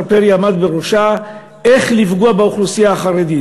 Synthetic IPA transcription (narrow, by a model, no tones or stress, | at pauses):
peʁjamad̪beʁoʃa | eχlifɡuabeuχlusijaːχaʁed̪i